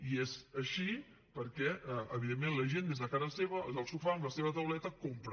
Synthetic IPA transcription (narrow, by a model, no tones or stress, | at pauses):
iezəʃi | pəɾkɛʔɛəβiðemːenləʒend̪ezðəkazəseβəzəlˠsufaəmləseβət̪əwlɛt̪əkompɾ